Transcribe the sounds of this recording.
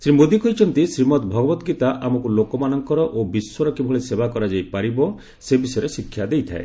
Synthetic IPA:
sɾimod̪ikɔɦit͡ʃʰɔnt̪isɾimɔt̪bʱɔɡɔbɔt̪ɔɡit̪aʔamɔkulokɔmanɔŋkɔɾɔʔobiswɔɾɔkibʱɔɭesebakɔɾad͡ʒajpaɾibɔ | sebisɔjɾesikʰːjad̪ejt̪ʰa̰ḛ

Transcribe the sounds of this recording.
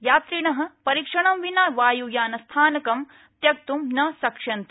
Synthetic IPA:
jaːt̪ɾiɳɐɦɐ̆pɐɾikʂɐɳɐmʋinaːʋaːjujaːnɐst̪ʰaːnɐkɐm | t̪jɐk̚t̪umnɐsɐkʂɐnt̪

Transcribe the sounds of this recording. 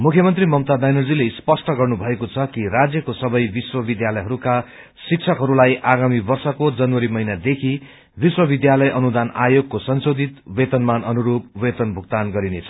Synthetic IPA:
mukʰjʌmʌnt̪rimʌmt̪ad̪ajnʌrd͡zilespʌsʈʌɡʌrnubʱʌekot͡sʰʌkirad͡zjʌkosʌbʌjbiswʌbid̪jalʌjɦʌɾuka | sik̚t͡sʰʌkɦʌɾulajʔaɡamibʌrsʌkod͡zʌnwʌɾimʌɦinad̪ekʰi | biswʌbid̪jalʌjʔʌnud̪ana̰joɡ̚kosʌnsod̪it̪wet̪ʌnmanʌnuɾubwet̪ʌnbʱukt̪anɡʌɾinet͡sʰʌ̥

